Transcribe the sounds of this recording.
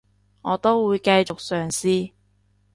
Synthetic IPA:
ŋɔː˨˧t̪o˥wwuː˨˧jkɐ˧jt͡ʃʊ˨k̚sœː˨ŋsiː˥

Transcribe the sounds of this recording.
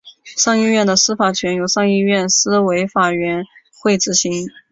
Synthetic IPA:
ʂɑ˥˧ŋi˥˧ɥɛ˥˩nd̪ə˩sɹ̩˥fa˨˩t͡ɕʰɥɛ˧˥njo˨˩ʊʂɑ˥˧ŋi˥˧ɥɛ˥˩nsɹ̩˥we˧˥ɪfa˨˩ɥɛ˧˥n | xwe˥˩ɪʈ͡ʂɻ̩˧˩ɕi˧˥ŋ

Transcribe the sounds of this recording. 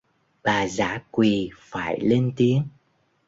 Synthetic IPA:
ɓaː˨˩zaː˧˥kwi˨˩faː˧˩jle˧nt̪i˨˦əŋ

